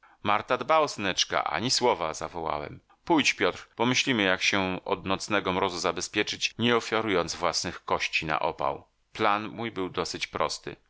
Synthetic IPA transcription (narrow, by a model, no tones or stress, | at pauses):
maɾt̪ad̪baɔsnɛt͡ʂka̰ʔa̰ɲiswɔvaza̰vɔwa̰wɛ̰m | pujt͡ɕpʲjɔt̪ɾpɔmɘɕlʲimɘjakɕɛɔ̰d̪nɔt̪snɛɡɔmɾɔzuzabɛspʲjɛt͡ʂɘt͡ɕɲɛɔfʲjaɾujɔnd̪zvwasnɘxkɔɕt͡ɕina̰ʔɔ̰pa̰w | planmujbɘwd̪ɔsɘt͡ɕpɾɔ̰st̪ɘ̰